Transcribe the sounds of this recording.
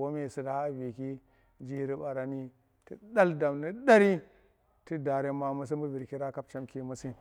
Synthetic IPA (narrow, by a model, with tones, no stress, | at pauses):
wo˦me˨si˨da˨ha˦vi˨ki˦ | d͡ʒi˦ɾi˦ba˨ɾa˨ni˦ | ti˦ɗa˦lda˨mni˦da˦ɾi˦ | ti˦da˨ɾe˦ma˨mu˦s̬i˦mu˦vi˨ɾki˦ɾa˦ka˦b̚t͡ʃa˦mki˦mu˦si˦